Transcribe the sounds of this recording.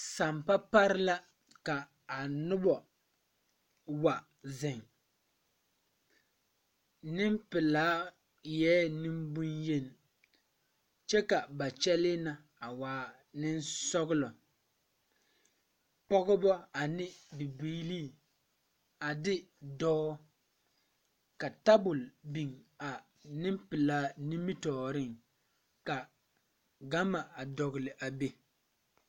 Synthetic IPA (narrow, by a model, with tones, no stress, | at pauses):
sa˨mpa˦pa˦ɾɪ˦la˦ | ka˨ | a˨nʊ˦bɔ˨ | wa˨ | zɪ˨ŋ | nɪ˦mpɪ˨laː˦ | jɛː˦nɪ˦mbu˦nje˦n˨ | t͡ʃɛ˦ka˨ba˨t͡ʃɛ˦lɪ˦na˨ | a˨waː˨˦˨ | nɪ˦nsɔ˦ɣɪ˦lɔ˨ | pɔ˦ɣɔ˦bɔ˦a˨nɪ˦bi˨bi˦liː˦˨ | a˨dɪ˦dɔː˦ | ka˨ta˦bʊ˨lbi˨ŋa˨ | nɪ˦mpɪ˨laː˦nĩ˦mi˦tɔː˨ɾɪ˦ŋ | ka˨ | ɡa˦ma˨a˨dɔ˨ɣɪ˨lɪ˨ʔa˨be˦